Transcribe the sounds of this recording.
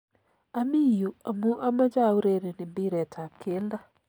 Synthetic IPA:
a˨mi˦˨jo˨a˨mu˦ʔa˦ma˦d͡ʒa˦˨u˦ɾe˦˨ɾe˨nɪ˨bi˦ɾɛ˨tʰa˨ke˦la˦

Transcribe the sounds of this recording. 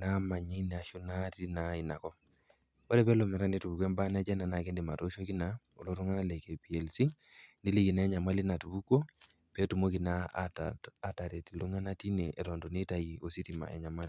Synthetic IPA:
na˦ma˨ɲi˦n˨a˨ʃu˦na˦ti˦na˨˦i˨na˨kɔ˦ | o˦ɾɛ˦pɛ˦lɔ˨mɛ˨ɾa˦ni˦tu˨bu˨kɛ˦mba˦na˦d͡ʒɛ˦na˨na˨kɛ˦ndɛ˨ma˨to˦ʃo˦ki˦na | o̰˨lo˦ɾɔ˦ŋa˦na˦lɛ˨ke˨pi˨ɛ˨lsi˦ | ndi˦li˦ki˨na˨ɛ˦ɲa˨ma˦li˦na˨tu˨bu˦ko˦ | pɛ˦tu˨mo˦ki˨na˦ | a˦ta˨ɾɛ˨ti˨lu˦ŋa˦na˦ti˦nɛ˨ʔɛ˨ɾɔ˨ndo˨ni˦ta˨ji˨o˨si˦ti˨ma̰˨ʔɛ̰˨ɲa˨ma˦li˨

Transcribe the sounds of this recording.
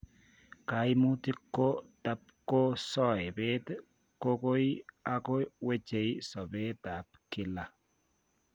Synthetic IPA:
ka˨˦jmu˦t̪ɪ˦kːo˦d̥a˦b̚ko˦sɔ˦e˨be˦t̪ | ko˦ko˦ja˦ko˦we˦d͡ʒe˨jsɔ˨be˦d̪a˨bkɪ˦la˦

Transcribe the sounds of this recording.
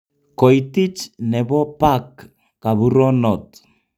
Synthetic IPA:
kɔ˨i˨ti˦t͡ʃnɛ˨βɔ˦pa˦kː | a˨βu˦ɾɔ˦nɔ˨t

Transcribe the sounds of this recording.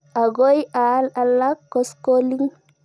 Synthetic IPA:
a˨ɡo˦ja˦lalːa˦kːɔ˦skoli˦ŋ

